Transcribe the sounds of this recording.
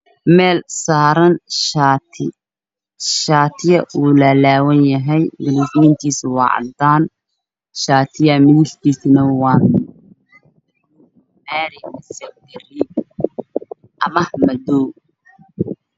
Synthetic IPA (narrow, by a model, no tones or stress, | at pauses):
mɛːlsaːɾɐnʃaːt̪ʰɪ | ʃaːt̪ʰɪjɐʔuːlɐlaːwɐnjɐɦɛjɡɪlɪfnint̪ʰiːswɑ̰ːʕɑ̰nt̪aːn | ʃaːt̪ʰɪjɐmɪðɪɬt̪ʰiːsɪnɐwɑːn | maːɾɪmɐsɐk̚d̪ɛrɪ | ʔɐmɐhmɐd̪ɔː